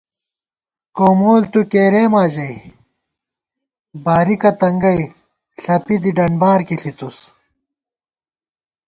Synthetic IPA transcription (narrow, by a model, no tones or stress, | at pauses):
koːmoːlt̪ukeːɾeːmaːʑɐj | baːɾikɐt̪ɐŋɡɐj | ɬɐpid̪iɖɐɳbaːɾkiɬit̪us